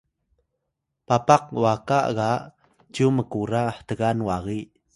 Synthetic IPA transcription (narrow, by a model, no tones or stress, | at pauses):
papaq̚wakaʔɣaʔ | d͡ʒuməkuɾaħtəɣanwaɣi